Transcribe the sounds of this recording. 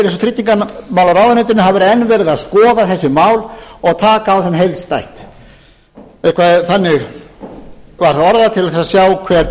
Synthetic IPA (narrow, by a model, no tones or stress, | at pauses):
esɔt̪ʰɾit̪niŋkanmaːwlaɾaːwðanɪt̪ɪnɦavɛɾɛnːvɛːɾɪðaðskɔːðaθɛsːɪmaːwlɔɣt̪ʰaːkaːwθɛmɦejlst̪ajht̪ | ɛ̥kʰvaθanːɪɣ | vaɾ̥θaðɔɾðat̪ʰɪlaðθɛsasjaːwkʰvɛːɾ